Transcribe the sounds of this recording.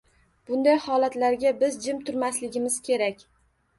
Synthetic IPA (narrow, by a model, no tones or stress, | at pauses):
b̥ʊnd̪ajhɒlat̪laɾɡʲabɪzd͡ʒɪmt̪ʰʊɾmaslɪɡʲɪmɪz̥kʲʰe̞ɾakʲ